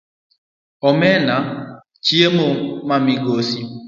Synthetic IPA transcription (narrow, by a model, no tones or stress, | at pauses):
ɔmena | t͡ʃiemomamiɡosi